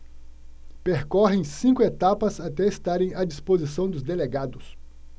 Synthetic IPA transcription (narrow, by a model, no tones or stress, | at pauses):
peɾkɔɦẽj̃sĩŋkʊet̪apɐzat̪ɛest̪aɾẽj̃ɐd͡ʒispozisɐ̃w̃d̪ʊzd̪eleɡad̪ʊs